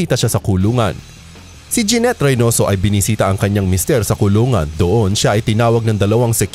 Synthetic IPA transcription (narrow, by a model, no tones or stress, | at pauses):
iːt̪ɐʃasɐkʊluːŋɐ̰n | sid͡ʒɛnɛt̪ɾɐjno̞ːso̞ʔɐjbɪnɪsiːt̪ɐʔɐŋkɐɲːaŋmɪst̪ɛɾsɐkʊluːŋɐ̰nd̪oʔo̞nʃaʔɐjt̪ɪnaːwɐɡ̚nɐŋd̪ɐlɐwaŋsɛk